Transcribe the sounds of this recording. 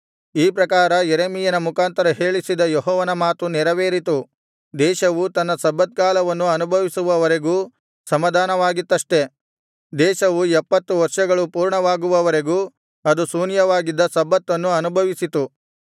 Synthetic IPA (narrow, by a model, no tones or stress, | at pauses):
iːpɾɐkaːɾɐjeɾemijɐnɐmukaːnt̪ɐɾɐɦe̞ːɭisid̪ɐjɔɦɔːʋɐnɐmaːt̪unɛɾɐʋeːɾit̪u | d̪ɛːʃɐʋut̪ɐnːɐsɐbːɐt̪̚kaːlɐʋɐnːuɐnubʱɐʋisuʋɐʋɐɾeɡuː | sɐmɐd̪ʱaːnɐʋaːɡit̪ːɐʂʈe̞ | d̪ɛːʃɐʋuɛpːɐt̪ːuʋɐɾʂɐɡɐɭupuːɾɳɐʋaːɡuʋɐʋɐɾe̞ɡuː | ɐd̪usuːnjɐʋaːɡid̪ːɐsɐbːɐt̪ːɐnːuɐnubʱɐʋisit̪u